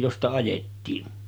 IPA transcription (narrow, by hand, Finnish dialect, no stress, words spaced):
jostɑ ɑjetːiːn